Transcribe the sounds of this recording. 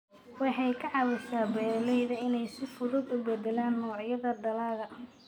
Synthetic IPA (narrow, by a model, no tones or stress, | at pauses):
wɑħɑjkʰɐʕɑwɛsaːbɛːlɛjðɐɪnɛjsɪfʊðʊɡʊbɛd̪ɛlaːnːɔːʕjɐðɐɖɐlaːɣɐ